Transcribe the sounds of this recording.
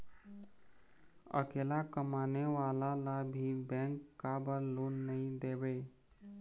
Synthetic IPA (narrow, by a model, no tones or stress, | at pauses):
ə̰kelakəmaneʋalalabʱibɛ̃ŋkːabəɾlonːəĩd̪ebe